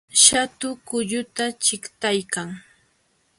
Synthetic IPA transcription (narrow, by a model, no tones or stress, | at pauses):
ʃat̪ʊkʊʎʊt̪at͡ʃɪkt̪ajkaŋ